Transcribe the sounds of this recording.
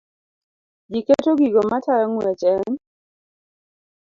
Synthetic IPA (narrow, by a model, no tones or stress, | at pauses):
d͡ʒiketoɡiɡɔmataɾaŋwat͡ʃɛn